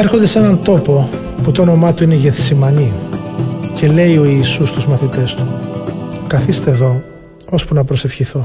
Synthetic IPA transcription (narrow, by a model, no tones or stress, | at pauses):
eɾxond̪e̞se̞nɐnt̪o̞po̞ | put̪oono̞mɐt̪uine̞ʝeθsimɐni | ce̞le̞io̞iːsust̪uzmɐθit̪e̞st̪u | kɐθist̪eːðo̞ | ospunɐpɾo̞se̞fçiθo̞